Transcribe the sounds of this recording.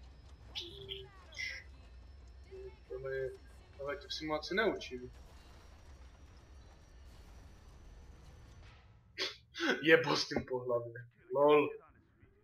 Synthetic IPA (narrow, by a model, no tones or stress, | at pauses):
t̪oɦlɛjɛ | t̪oɦlɛc̪ɛfsɪmuasɪnɛut͡ʃim | jɛbost̪impoɦlavjɛ | lol